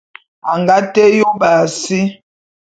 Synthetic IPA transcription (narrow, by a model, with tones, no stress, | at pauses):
a˨ŋɡa˦te˦jo˦ba˨si˦